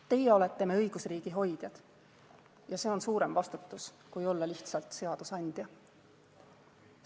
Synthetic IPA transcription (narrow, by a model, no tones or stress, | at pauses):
t̪e̞jeo̞le̞t̪ˑːe̞meɤjɡ̥usriːɡ̥iɦo̞jd̪̥jɑd̪̥ | jɑse̞ːo̞nsuːɾe̞mvɑst̪ut̪ːˑus | kujo̞lːɑliht̪sɑlt̪ˑse̞ɑd̪̥usɑnʲd̪̥ʲjɑ